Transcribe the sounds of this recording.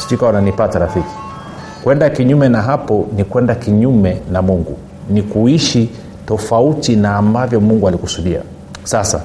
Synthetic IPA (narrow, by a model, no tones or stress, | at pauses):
skikawananipataɾafiki̥ | kwɛndakiɲumɛnaɦapɔnikwɛndakiɲumɛnamuŋɡṵ | nikuiʃi | tɔfautinaːmbavjɔmuŋɡualikusuɗia̰ | sasa̰